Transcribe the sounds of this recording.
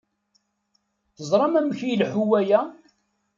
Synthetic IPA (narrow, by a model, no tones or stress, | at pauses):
θəzˤɾˤɑmæməçijlħuwæjæ